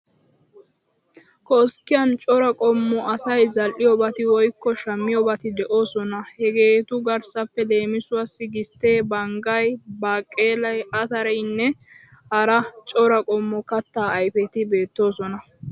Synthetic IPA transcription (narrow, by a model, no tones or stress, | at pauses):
kɔskːɪjɐnt͡ʃʼɔɾɐkʼɔmːʊʔɐsɐjzɐlʔːɪjɔbɐt̪ɪwɔjkːɔʃɐmːɪjɔbɐt̪ɪd̪ɛʔo̞ːsɔnɐhɛɡe̞ːt̪ʊɡɐɾsɐpːɛd̪e̞ːmɪsʊwasːɪɡɪst̪ːe̞ːbɐŋɡɐjbaːkʼːeːlɐjɐt̪ɐɾɛjnːɛ | hɐɾɐt͡ʃʼɔɾɐkʼɔmːʊkɐt̪ːaːɐjfɛt̪ɪbe̞ːt̪ːo̞ːsɔnɐ